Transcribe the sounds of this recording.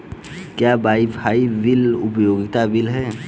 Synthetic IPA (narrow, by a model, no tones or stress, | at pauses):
kjaːbaːipʰaiʋɪlʊpjoːɡɪt̪aʋɪlɦɛː